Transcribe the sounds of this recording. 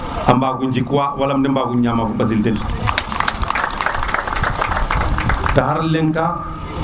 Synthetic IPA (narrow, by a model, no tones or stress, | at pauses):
ambaɡund͡ʒikuawalamdimbaɡuɲjamafuɓasilten | taɦaɾleŋka